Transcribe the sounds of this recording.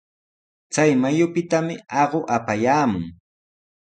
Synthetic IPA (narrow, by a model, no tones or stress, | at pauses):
t͡sajmajʊpɪt̪amɪɑɢoʔapajaːmʊŋ